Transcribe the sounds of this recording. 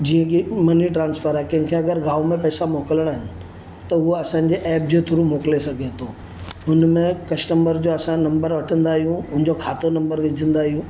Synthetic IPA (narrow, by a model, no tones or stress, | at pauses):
d͡ʑiːə̃kimɐniʈɾãːnsfʰəɾaːkɐ̃ɦɪ̃kʰeɐɡəɾɡaːʋomẽpɐːsamoːkələɽ̃aɦɪnɪ̆ | t̪ɐɦʊoɐsãːɲ̆d͡ʑeʔɛːp̚d͡ʑot̪ʰʊɾumoːklesɐɡʱet̪ʰoː | ʊnmẽkɐsʈəmbəɾd͡ʑoɐsãnɐ̃mbəɾʋɐʈʰə̃nd̪aːɦijũʊ̃ɦɪ̃ɲ̆d͡ʑokʰaːt̪onɐ̃mbəɾʋɪd͡ʑʱə̃nd̪aːɦijũː